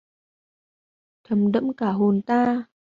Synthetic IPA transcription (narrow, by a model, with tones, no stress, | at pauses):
t̪ʰə˨˩mɗə̰˧˥mkaː˧˩ɦo˨˩nt̪aː˧